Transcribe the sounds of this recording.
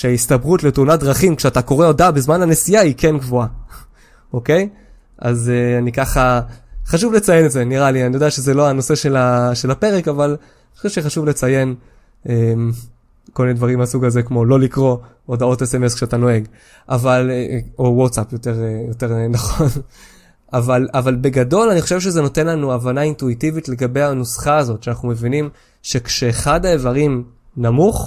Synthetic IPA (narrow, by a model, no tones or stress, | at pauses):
ʃeaistabʁutletuunadʁaχimkʃeatako̞ʁe̞o̞dabezmanhanesijaikʰe̞nɡvoa | oke̞j | ʔa̰zeanikaχaχaʃuvlet͡sajenetzeniʁalianijodeaʃezelo̞ano̞se̞ʃe̞laʃelape̞ʁekaval | noʃuʃeχaʃuvle̞t͡saje̞n | em | kolminedvaʁimasuɡazekmo̞lo̞likʁo̞ | odao̞tesemeskʃeatano̞e̞ɡ | ʔavalowotsapjote̞ʁjo̞te̞ʁnaχon | avalavalbe̞ɡado̞laniχoʃevʃezeno̞te̞nlanuavanaintuitivitle̞ɡabe̞jhanusχaːzo̞tʃeanaχnume̞vinim | ʃe̞kʃeːχadaevaʁim | namuχ